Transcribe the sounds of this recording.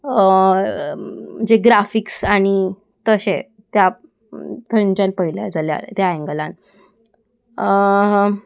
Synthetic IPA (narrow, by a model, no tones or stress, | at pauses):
əd͡ʑeɡɾafiksaɽ̃i | t̪əɕe | t̪ja | t̪ʰə̃t͡ɕãnpəilja̰d͡zalja̰ɾt̪jaɛŋɡəlãn